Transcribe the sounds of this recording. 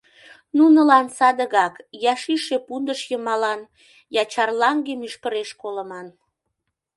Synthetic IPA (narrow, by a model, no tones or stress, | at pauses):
nunəlɑnsɑd̪əɣɑkjɑʃiʃepund̪əʃjəmɑlɑn | jɑt͡ɕɑrlɑŋɡemyʃkəɾeʃkolə̆mɑn